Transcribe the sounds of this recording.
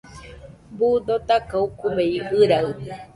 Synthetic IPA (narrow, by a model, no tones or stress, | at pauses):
bud̪ot̪akaukubeiʔɨɾaɨ